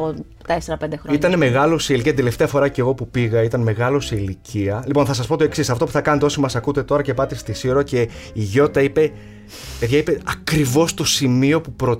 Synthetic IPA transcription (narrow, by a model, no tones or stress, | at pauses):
t̪eseɾɐpe̞nd̪exɾit̪ɐneme̞ɣɐlo̞seiliciɐt̪id̪eleft̪eɐfo̞ɾɐce̞ɣo̞pupiɣɐit̪ɐnme̞ɣɐlo̞seiliciɐlipo̞nθɐsɐspo̞t̪o̞e̞ksisɐft̪o̞pu̥θɐkɐnɐt̪eosimɐsɐkut̪e̞t̪o̞ɾɐce̞pɐt̪ist̪isioɾoce̞iʝo̞t̪ɐipe̞ | pe̞ðʝɐipe̞ɐkɾivo̞st̪o̞simiopupɾo